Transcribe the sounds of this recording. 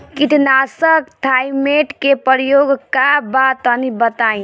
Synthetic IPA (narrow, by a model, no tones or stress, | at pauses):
kiʈnasək̚t̪ʰaimeʈkepəɾjoɡkabat̪ənibət̪aĩ